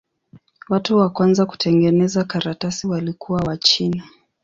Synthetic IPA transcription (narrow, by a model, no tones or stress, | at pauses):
watuwakwanzaku̥tʰɛŋɡɛnɛzakaɾatasiwalikʰuwawat͡ʃina